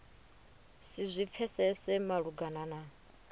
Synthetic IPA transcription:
sizʷip̪fʰɛsɛsɛmaɺuɡanana

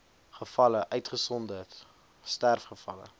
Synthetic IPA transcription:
χəfɐləʔœɥtχəsɔndət | stærfχəfɐ̰lə̰

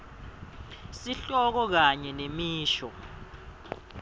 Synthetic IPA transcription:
siɬɔk̬ɔk̬aɲɛnemiːʃɔ

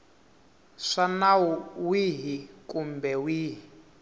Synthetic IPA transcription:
ʂanawuwiɦikʼumbɛwiːɦi

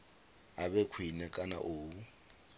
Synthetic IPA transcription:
abɛkʰwinɛkʼana̰ʔoː

